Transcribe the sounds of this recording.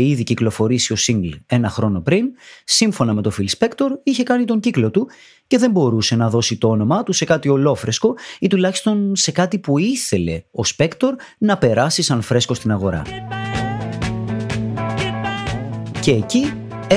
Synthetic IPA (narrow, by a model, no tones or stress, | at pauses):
iðiciklo̞fo̞ɾisio̞siŋɡle̞nɐxɾo̞no̞pɾinsiɱfo̞nɐme̞t̪o̞filspe̞kt̪o̞ɾiçe̞kɐnit̪o̞ɲɟiklo̞t̪u | ce̞ðe̞mbo̞ɾuse̞nɐðo̞sit̪oo̞no̞mɐt̪use̞kɐt̪io̞lo̞fɾe̞sko̞it̪ulɐçi̥st̪o̞nse̞kɐt̪ipuiθe̞le̞o̞spe̞kt̪o̞ɾ | nɐpe̞ɾɐsisɐnfɾe̞sko̞st̪inɐɣo̞ɾɐ̰ | ce̞ːci